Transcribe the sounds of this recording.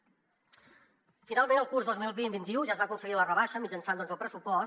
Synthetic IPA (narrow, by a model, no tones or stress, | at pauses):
finalˠmenəlˠkuɾzðozmilˠβinbint̪iuʒaəzβaəkunsəɣilərəβaʃəmid͡ʒənsand̪ɔnzəlˠpɾəsupɔ